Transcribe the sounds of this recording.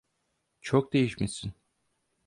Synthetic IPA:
t͡ʃʰok̚d̪e̞jiʃmesin

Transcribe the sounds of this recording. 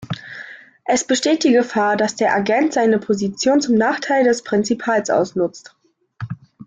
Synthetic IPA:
ʔɛsb̥əʃteːt̚d̥iːɡəfaːɐdasd̥eːɐʔaɡɛntz̥aɪnəpʰozit͡sjoːnt͡sʊmnaːχtʰaɪldɛspʁ̥ɪnt͡sipʰaːlsʔa̰ʊsnʊt͡st

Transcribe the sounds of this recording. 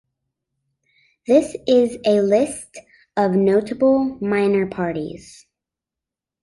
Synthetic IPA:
ðɪsɪzɨlɪst | ʌvnoʊɾəbl̩ˠmãɪ̃nə˞pʰɑɹɾḭz̥

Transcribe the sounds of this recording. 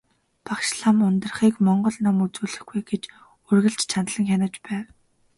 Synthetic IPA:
pakʃɮamʊnt̪ə̆rχiːkmɔɴɢɞ̆ɮnamut͡suːɮɘ̆xɡujɡet͡ɕ | urɣɘ̆ɬt͡ɕt͡ɕʰanɮə̆ŋxʲanə̆t͡ɕpæːw

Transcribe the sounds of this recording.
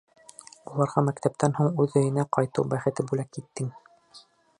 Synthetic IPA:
ulˠɑɾʁɑmækt̪æp̚t̪ænhuɴʉðɵ̆jɘ̆næqɑjt̪ɤwbæχɘ̆t̪ɘbulækːit̪ːɘŋ

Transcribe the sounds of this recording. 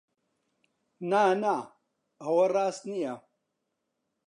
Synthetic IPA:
naːna | ɐwɐraːst̪nija

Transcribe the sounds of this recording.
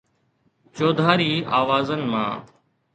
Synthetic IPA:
t͡ʃoːd̪ʱaːɾiːaːʋaːzənmã̰ː

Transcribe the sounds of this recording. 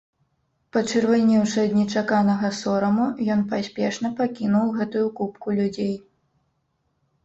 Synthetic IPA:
pɐt͡ʂɨrvalʲnʲiwʂɐd̪nʲɛt͡ʂakanɐɣɐsɔɾɐmujɔnpasʲpʲɛʂnɐpakʲinuwɣɛt̪ujukupkulʲud͡zʲej

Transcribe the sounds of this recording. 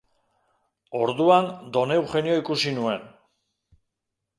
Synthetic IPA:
o̞ɾðuand̪o̞ne̞wxe̞nio̞ikusinue̞n

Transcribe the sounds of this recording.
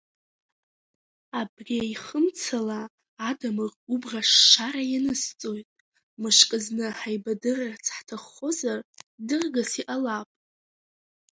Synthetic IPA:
abriaiχəmt͡sʰalaː | damɨrubraʂːaɾajanɨst͡sʼo̞jtʼ | mɨʂkʼɨznɨħajbadɨrart͡sʰħtʰaχːo̞zardɨrɡasiʔalapʼ

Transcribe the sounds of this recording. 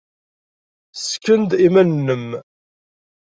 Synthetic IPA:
skːənd̪imænnːəm

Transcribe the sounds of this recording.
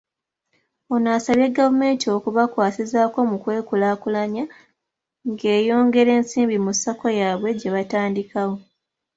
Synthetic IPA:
onaːsaβjeɡːavume̞ːntio̞kuβakwaːsizaːko̞mukwe̞ːkulaːkulaɲa | ŋɡe̞ːjo̞ːŋɡe̞ɾe̞ːnsiːmbimusako̞jaːβwe̞ɟe̞βataːndikawo

